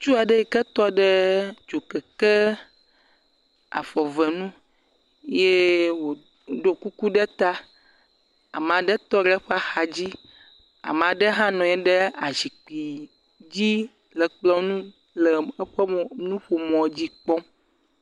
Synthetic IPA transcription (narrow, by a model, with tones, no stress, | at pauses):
t͡ʃu˦a˨ɖe˦ji˨kə˦t̪ɔ˦ɖɛ˦d͡ʒo˨kɛ˨kə˦ | a̰˨fɔ˨vɛ˨nũ˦ | je˦wo˨ | ɖo˦ku˦ku˦ɖɛ˦t̪a˦ | a̰˨m˨ã˨ɖɛ˦t̪ɔ˦ɖɛ˦ɸa˦xa˨d͡ʑi˦ | a̰˨m˨ã˨ɖɛ˦ɦã˦nɔ̃˨ɛ˦ɖɛ˦a˨zi˨k͡pi˨ | d͡ʑi˦ | lə˨k͡plɔ˦nũ˦ | lə˨ə˦ɸɛ˦˨nũ˦ɸo˨mɔ̃˨˦d͡ʑi˦k͡pɔ˦